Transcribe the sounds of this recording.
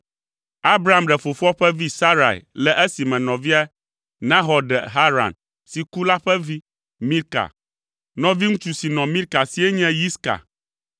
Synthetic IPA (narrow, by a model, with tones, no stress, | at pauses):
a˦bɾa˦˨a˨mɖɛ˨fo˨fu˦ɔ˦ɸɛ˦vi˦sa˦ɾa̰˨ḭ˨lɛ˦ʔɛ˦si˨mɛ̃˨nɔ̃˨vi˦a˦ | nã˦ɦɔ˨ɖɛ˨ɦa˦ɾa̰˨n | si˨ku˦la˦ɸɛ˦vi˦ | mĩ˦ɾka̰˨ | nɔ̃˨vi˦ŋũ˦t͡ʃu˨si˨nɔ̃˨mĩ˦ɾka˨si˨e˦ɲɛ̃˦ji˦ska̰˨